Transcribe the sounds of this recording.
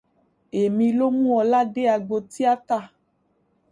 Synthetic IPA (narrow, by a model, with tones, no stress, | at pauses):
e˨mĩ˨lo˦mũ˦ɔ˨la˦ɖe˦a˨ɡ͡bo˨t̪i˦a˦t̪a˦˨